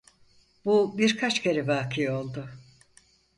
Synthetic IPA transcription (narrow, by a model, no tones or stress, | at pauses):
bubiɾkʰat͡ʃcʰeɾɛbaːkʰijo̞lˠd̪ʊ